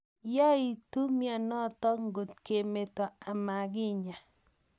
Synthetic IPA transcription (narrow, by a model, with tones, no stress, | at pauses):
ja˦i˨tu˦mja˦˨nɔ˦t̪ɔ˦ŋɡo˨t̚ke˨me˨tɔ˨a˨ma˨ɡɪ˦ɲa˨